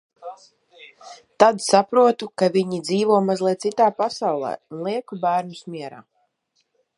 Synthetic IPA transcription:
t̪ad̪sapɾuɔt̪ukaviɲid̪ziːvɔmazlʲiɛt̪sit̪aːpasawlˠɛ̰ːunlˠiɛkubæːɾnusmiɛɾa̰ː

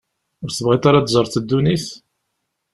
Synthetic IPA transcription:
ʊɾsəvʁit̪aɾad̪zˤəɾˤθəd̪ːuniθ

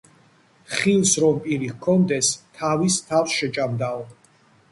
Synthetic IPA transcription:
χilˠsɾɔmpʼiɾikʰːɔnd̪ɛst̪ʰavist̪ʰafsʃɛt͡ʃʼamd̪aɔ

